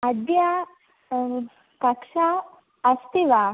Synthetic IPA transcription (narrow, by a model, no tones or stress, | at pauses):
ɐd̪ja | kɐkʂaː | st̪iʋa